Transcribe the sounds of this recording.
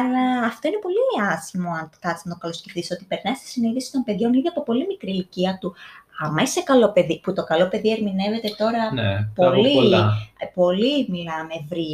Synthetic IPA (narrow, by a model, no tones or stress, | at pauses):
ɐlɐːft̪o̞inepo̞liɐsimo̞ɐnkɐt̪isnɐt̪o̞kɐlosce̞fiso̞t̪ipe̞ɾnɐjst̪i̥siniðisi̥t̪o̞npe̞ðʝo̞nliðiɐpo̞po̞limikɾiliciɐt̪uɐmɐise̞kɐlo̞pe̞ðiput̪o̞kɐlo̞pe̞ðie̞ɾmine̞ve̞t̪e̞t̪o̞ɾɐn̰polli | po̞limilɐme̞vɾiɐ